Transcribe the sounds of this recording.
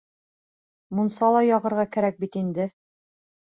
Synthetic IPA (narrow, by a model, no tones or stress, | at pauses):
munsɑlˠɑjɒʁɤ̆ɾʁɑkæɾæk̚bit̪ind̪ɘ